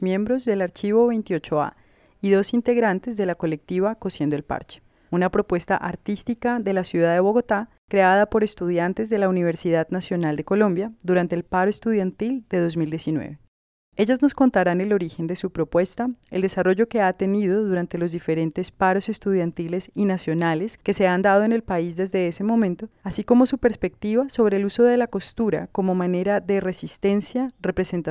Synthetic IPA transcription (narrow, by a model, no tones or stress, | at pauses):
mje̞mbɾo̞zd̪e̞laɾt͡ʃiβo̞βejnt̪io̞t͡ʃo̞a̰ | iðo̞sint̪e̞ɣɾant̪e̞zd̪e̞lako̞le̞k̚t̪iβako̞sje̞nd̪oe̞lpa̰ɾt͡ʃe̥ | unapɾo̞pwe̞st̪a̰ʔaɾt̪ist̪ikaðe̞lasjuðaðe̞βo̞ɣo̞t̪a | kɾe̞aðapo̞ɾe̞st̪uð̞jant̪e̞zd̪e̞launiβ̞eɾsiðaðnasjo̞nald̪eko̞lõ̞mbjaðuɾant̪eːlpaɾoest̪uð̞jant̪ild̪e̞ð̞o̞zmild̪jesinwḛβe̞ | e̞ʝazno̞sko̞nt̪aɾane̞lo̞ɾixe̞nd̪e̞supɾo̞pwe̞st̪ae̞ld̪e̞saro̞ʝo̞ke̞at̪e̞niðo̞ðuɾant̪e̞lo̞zd̪ife̞ɾe̞nt̪e̞spaɾo̞se̞st̪uð̞jant̪ile̞sinasjo̞nale̞ske̞se̞and̪að̞o̞ene̞lpaizd̪e̞zd̪e̞ese̞mo̞mẽ̞nt̪o̞asiko̞mo̞supe̞ɾspe̞k̚t̪iβaso̞β̞ɾe̞ːluso̞ð̞e̞lako̞st̪uɾa̰ko̞mo̞mane̞ɾaðe̞re̞sist̪e̞nsjare̞pɾe̞se̞nt̪a